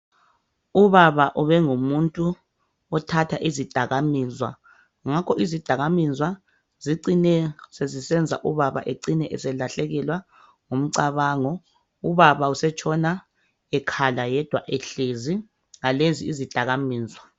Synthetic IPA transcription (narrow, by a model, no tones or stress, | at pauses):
uβaβaʔuβɛŋumuntʼu | ɔtʰatʰaʔizid̥ʱaɣamizwa̰ | ŋakʰɔʔizid̥ʱaɣamizwa | ziǀinɛsezisɛnd͡zʱa̰ʔuβaβa̰ʔeǀinɛʔɛsɛlaɬɛɣɛlwa | ŋom̩ǀaβaːŋɔ | uβaβausɛt͡ʃʰʼɔna | ɛkʰalajɛd̥ʱwa̰ʔɛɬezi | ŋaleziːzid̥ʱaɣamiːzwa